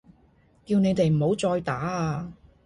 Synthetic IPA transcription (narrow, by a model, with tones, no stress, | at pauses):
kiː˧wne˨˧jt̪e˨jm̩˨˩ho˨˥wt͡sɔː˧jt̪aː˨˥aː˧